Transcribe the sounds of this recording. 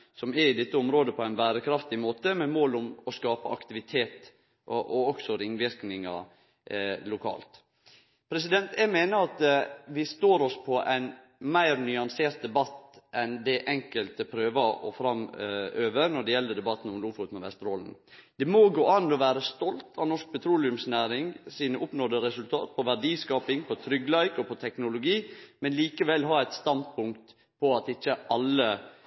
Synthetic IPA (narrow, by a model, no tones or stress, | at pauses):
sɔmɛɾɪd̪ɛt̪ːəɔmɾoːd̪əpʰɔæɪnbæːɾəkʰɾɑft̪ɪmoːt̪əmɛmoːlʊmɔskɑːpəɑ̰kt̪ɪʋɪt̪ʰeːt̪ | ʔɔɔksɔɾɪŋːʋɪɾknɪŋɑ̰ | lʊkʰɑ̰ːlt̪ | pʰɾɛs̬ɪd̪ɛnt̪æɡmeːnəɾɑt̪ʋɪst̪oːɾɔspʰɔʔæɪn | mæɪɾnʏɑnseːɾt̪̚d̪ɛbɑt̪ːʔɛnd̪ɛʔɛŋkəlt̪əpʰɾøːʋɑɔ̰fɾɑmøːʋəɾnɔɖɛjɛlːəd̪ɛbɑt̪ːn̩ɔmluːfʊt̪mɛʋɛ̰st̪ɾoːln̩ | d̪̥ɛmoɡoːʔɑnːɔʋæːɾəst̪ɔlt̪ʰɑnɔʂk̚pʰɛt̪ʰɾuːlɪʉmsnæːɾɪŋsiːnəʔʊpnɔːd̪əɾɛsʉlt̪ʰɑ̰ːt̪̚pʰɔʋæɖiːskɑːpɪŋpʰɔt̪ʰɾʏɡːlɑɪkɔpʰɔt̪ʰɛknʊlʊɡiːmɛnliːkəʋɛlɦɑːæɪt̪st̪ɑnd̪̚pʰʊŋkt̪ | pʰɔɑt̪ɪçːəʔɑlːə